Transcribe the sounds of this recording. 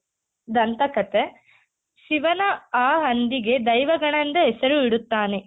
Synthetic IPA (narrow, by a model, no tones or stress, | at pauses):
d̪ɐnt̪ɐkɐt̪e | ʃiʋɐnɐaːɦɐnd̪iɡe̞d̪ɐjʋɐɡɐɳɐnd̪ɐɦesɐɾuiɽut̪ːaːne